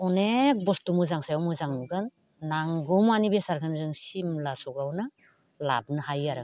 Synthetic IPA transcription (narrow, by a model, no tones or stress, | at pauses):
ɔnek̚bɔstumuzaŋsajawmuzaŋnuɡɯnː | aŋɡɔmanibesaɾkʰanzɯŋsimlasɔɡawnɯ | la̰b̚nɯhajaɾa